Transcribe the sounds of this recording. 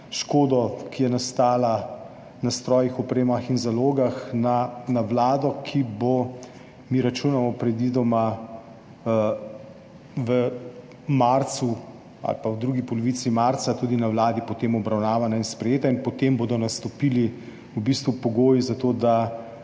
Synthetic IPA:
ʃkoːd̪ɔkijɛnast̪aːla | nast̪ɾɔːjixɔpɾeːmaxinzaloːɡaxnanawlaːd̪ɔkʰibo | miɾat͡ʃuːnamɔpɾɛd̪id̪ɔma | ʋə | maɾt̪su | a̰lpawd̪ɾuɡipɔlɔʋit̪simaɾt̪sat̪ud̪inawlaːd̪ipɔt̪eːmɔbɾawnaːʋanainspɾɛjeːt̪ainpɔt̪embod̪ɔnast̪ɔpiːli | wbist̪ʋupɔɡoːjizat̪oːd̪a

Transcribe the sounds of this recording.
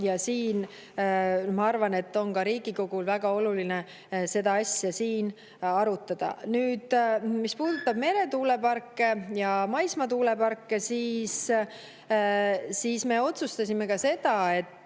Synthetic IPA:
jɑsiːn | mɑɑrvɑne̞t̪ːo̞nkɑɾiːɡiko̞ɡ̥ulvæɡ̥ɑo̞luline̞ | se̞d̪ɑɑsʲjɑsiːn | ɑɾut̪ˑːɑd̪̥ɑ̰nyːd̪̥mispuːd̪̥ut̪ːˑɑbme̞ɾe̞t̪uːle̞pɑrkːe̞jɑmɑjsmɑt̪uːle̞pɑrkːesiːs | siːsme̞o̞t̪sust̪ɑsʲime̞kɑse̞d̪̥ɑe̞t̪ː

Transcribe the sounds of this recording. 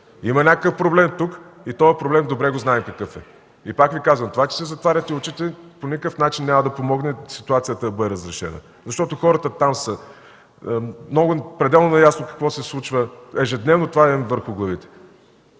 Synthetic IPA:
imɐnʲakəkəfpɾoblɛmt̪ukit̪ɔɛpɾoblɛmd̪obɾɛɡoznaɛmkɐkɤfɛ | ipakvikazvəmt̪ovat͡ʃɛ̥sɛzɐt̪vaɾʲət̪iʊt͡ʃit̪ɛponʲikəfnat͡ʃinːʲamɐd̪ɐpomɔɡnɛsit̪uat̪sijət̪ɐd̪ɐbɤd̪ɛɾəzɾɛʃɛ̰nə̰ | zɐʃt̪ɔt̪oxɔɾət̪ət̪amsə | mnɔɡʊpɾɛd̪ɛlˠnonɐjasnokɐ̥kvɔsɛslˠut͡ʃvəɛʒɛd̪nɛvnot̪ovaɛvəɾxʊɡlˠɐvit̪ɛ̥

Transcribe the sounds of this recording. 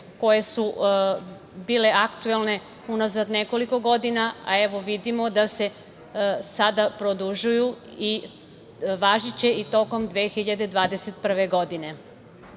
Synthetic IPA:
ko̞je̞su | biːle̞ʔakt̪uelˠne̞ | unazad̪ne̞ko̞liko̞ɡo̞d̪inaa̰e̞ʋo̞ʋid̪imo̞d̪ase̞ | sad̪apɾod̪uʒujui | ʋaʒit͡ɕe̞it̪o̞ko̞md̪ʋeːxiʎad̪e̞d̪ʋaːd̪eset̪̚pr̩ʋeɡo̞d̪ine̞

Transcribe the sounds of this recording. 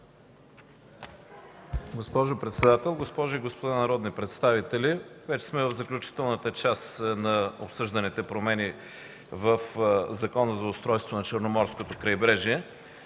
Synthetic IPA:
ɡospɔʒopɾɛt̪sɛd̪at̪ɛlˠɡospɔʒʊiɡospod̪anɐɾɔd̪nipɾɛt̪st̪avit̪ɛlivɛt͡ʃɛ̥smɛvəvzɐklʲut͡ʃi̥t̪ɛlˠnət̪ət͡ʃasnɐo̰psɤʒd̪ɐnit̪ɛpɾomɛni | vəfzɐkɔnəzɐʊst̪ɾɔjst̪vonɐt͡ʃəɾnomɔɾskot̪okɾɐjbɾɛʒiɛ

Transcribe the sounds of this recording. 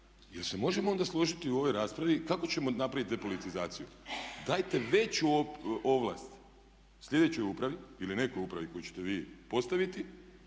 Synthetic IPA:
jelse̞mo̞ʒemoo̞nd̪aslˠo̞ʒit̪iuo̞ʋo̞jɾaːspɾaʋikako̞t͡ɕe̞mo̞napɾaʋit̪epo̞lit̪izaːt̪sijud̪ajt̪e̞ʋe̞t͡ɕuoʔo̞ʋla̰st̪ | sʎʲe̞d̪et͡ɕo̞jupɾaʋiiline̞ko̞jupɾaʋiko̞jut͡ɕe̥t̪eʋiːpo̞st̪aʋit̪i

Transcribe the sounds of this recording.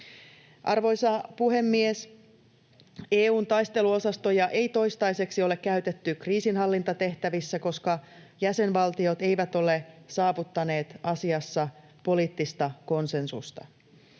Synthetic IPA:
ʔɑ̰rʋo̞jsɑpuɦe̞mːies | eːuːnt̪ɑjst̪e̞luo̞sɑst̪o̞jɑʔe̞jt̪o̞jst̪ɑjse̞ksio̞le̞kkːæyt̪e̞t̪ːykriːsinɦɑlːint̪ɑt̪e̞ht̪æʋisːæko̞skɑjæse̞nʋɑlt̪io̞t̪e̞jʋæt̪o̞le̞sɑːʋut̪ːɑne̞ːt̪ɑsiɑsːɑ | po̞liːt̪ːist̪ɑko̞nse̞nsṵst̪ɑ̰

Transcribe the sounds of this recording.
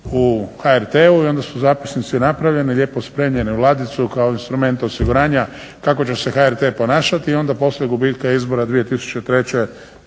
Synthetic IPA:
uxaeɾt̪euio̞nd̪asuzaːpi̥snit̪sinapɾaʋʎe̞nilʎe̞ːpo̞spɾemɲʎe̞neulˠaːd̪it̪sukao̞inst̪ɾume̞nt̪o̞siɡuɾaːɲa | kako̞t͡ɕese̞xaeɾt̪e̞ːpo̞naːʃat̪iːo̞nd̪apo̞sleɡubiːt̪kaizbo̞ɾad̪ʋije̞t̪isu̥t͡ɕet̪ɾe̞t͡ɕe̞

